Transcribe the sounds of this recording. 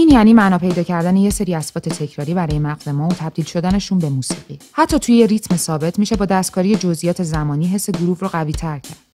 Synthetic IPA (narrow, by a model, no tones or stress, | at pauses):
iːnjæniːmænɒːpʰe̞jd̪ɒːcʰæɾd̪æne̞jese̞ɾiːæsbɒːt̪ʰe̞t̪ʰe̞cʰɾɒːɾiːbæɾɒːjemæɣze̞mɒːot̪ʰæb̚d̪iːlʃo̞d̪æne̞ʃunbe̞muːsiːɢihæt̪ʰːɒːt̪ʰujejerit̪ʰme̞sɒːbe̞t̪ʰmiʃe̞bɒːd̪æst̪̚kʰɒːɾije̞d͡ʒo̞zʔijɒːt̪ʰe̞zæmɒːniːɦe̞sːe̞ɡuɾuːhɾoɣæviːt̪ʰæɾcʰæ̰ɾd̪̥